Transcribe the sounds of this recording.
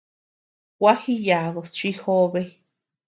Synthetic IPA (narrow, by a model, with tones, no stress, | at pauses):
wa˦hi˦ja˨ðo˨t͡ʃi˦ho˦βe˦j